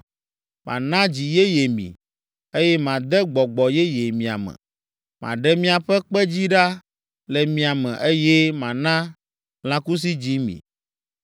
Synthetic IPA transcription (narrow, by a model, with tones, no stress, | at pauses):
mʔã̰˨nã˦d͡ʑi˨je˦je˨mḭ̃˨ | e˦jɛ˦mã˨d̪ɛ˦ɡ͡bɔ˨ɡ͡bɔ˨jɛ˦je˨mĩ˨a̰˨mɛ̰̃˨ | mã̰˨ɖɛ˦mĩ˦a˨ɸɛ˦k͡pɛ˦d͡ʑi˦ɖa˦ | lɛ˨mĩ˨a˨mɛ̰̃˨ʔe˦jɛ˦mã˨nã˦ | lã˦ku˦s̬i˦d͡ʑi˦mḭ̃˨